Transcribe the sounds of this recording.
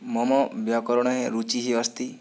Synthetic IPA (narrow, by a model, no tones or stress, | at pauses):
mɔmɔbjakɔɾɔɽ̃ɔɦeɾut͡ʃiɦiɔst̪i